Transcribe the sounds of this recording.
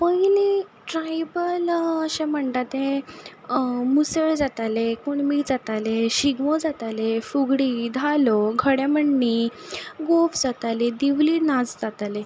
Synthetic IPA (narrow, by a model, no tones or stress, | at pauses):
pəjliʈɾajbələɕɛ̃m̤əɳt̪at̪ẽ | musəɭd͡zat̪alekuɳmid͡zat̪aleɕiɡmod͡zat̪alefuɡɽiːd̪ʱalɔɡʱəɽjɛməɳːiɡofd͡zat̪aled̪iʋlinad͡zd͡zat̪ale